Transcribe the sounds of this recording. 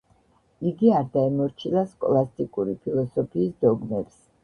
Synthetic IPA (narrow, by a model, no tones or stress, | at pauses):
iɡiaɾd̪aimɔɾt͡ʃʰilaskʼɔlˠast̪ʼikʼuɾipʰilˠɔsɔpʰiːsd̪ɔɡmɛbs